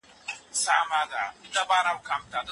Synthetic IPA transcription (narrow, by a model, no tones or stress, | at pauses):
samada̰itabaɾamkamtad